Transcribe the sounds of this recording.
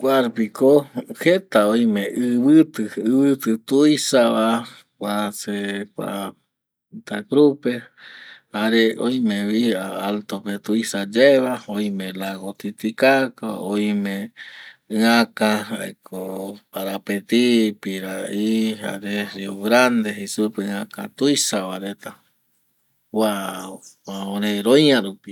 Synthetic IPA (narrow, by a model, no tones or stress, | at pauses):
kʷaɾpikohet̪aojmẽʔɨβɨt̪ɨɨβɨt̪ɨt̪uisaβa | kʷasekʷa̰ | t̪akɾupe | haɾeojmẽβiaalt̪opet̪uisad͡ʒaeβaojmẽlaɣot̪it̪ikakaõj̃mẽ | ɨãkãɦaekʰoaɾapet̪ipiɾaiɦa̰ɾeɾeoɡɾand̪eɦesupeɨ̃ãka̰t̪ujsaβaɾet̪a | wa | aõɾeɾõj̃ãɾupi